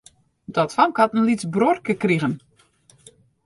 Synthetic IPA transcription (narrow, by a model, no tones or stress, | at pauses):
dɔtfɔŋkatənlit͡sbrorkəkriɣən